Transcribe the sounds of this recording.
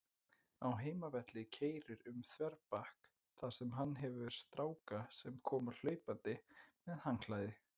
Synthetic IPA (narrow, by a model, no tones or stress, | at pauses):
awɦeːjmavɛt̪lɪcʰeːjɾɪɾʏmθvɛɾpahk | θḁsɛmɦanːɦɛvʏɛɾ̥st̪ɾaːwkasɛmkʰɔːmʏɾl̥œːɥpant̪ɪmɛðhaŋkʰlajðɪ